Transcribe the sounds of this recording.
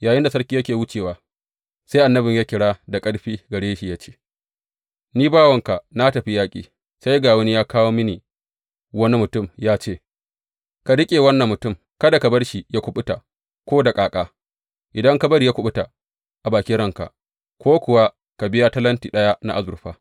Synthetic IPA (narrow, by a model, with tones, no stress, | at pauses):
jaː˨jɪ˦nda˨sɐ˦ɾkʲiː˦jɐ˦kʲeː˨wʊ˦t͡ʃeː˨waː˨ | sa˦jʔa˨nːɐ˦bɪ˨ɲjaː˦kʲɪ˨ɽaː˦da˨kʼɐ˦ɽɸiː˦ɡɐ˨ɽeː˦ʃi˨jaː˦t͡ʃe̥ː˦ | niː˦baː˦wɐ˨ŋka˨na˦tɐ˨ɸi˦jaː˦kʲʼḭː˨ | sa˦jɡaː˨wɐ˦ni˦jaː˦kaː˦woː˦mɪ˦ni˨ | wɐ˦ni˦mʊ˨tʊ˦˨mjaː˦t͡ʃeː˦˨ | ka˨ɽɪ˦kʲʼeː˨wɐ˦nːɐ˨mːʊ˨tʊ˦˨m | kɐ˦da˨ka˨bɐ˦ɽʃi˨ja˦kʷʊ˦ɓʊ˦ta˨ | kʷoː˦da˨kʼaː˨kʼaː˦ | ʔɪ˨dɐ˦ŋka˦bɐ˦ɾi˨ja˦kʷʊ˦ɓʊ˦ta˨ | ʔa˨baː˨kʲi˦ɾɐ˦ŋka̰˨ | kʷoː˦kʷʊ˨wa˦ | ka˨bɪ˦ja˦tɐ˦lɐ˦ntiː˨ɗɐ˦ja˦na̰˦ʔa˦zʊ˨rɸaː˦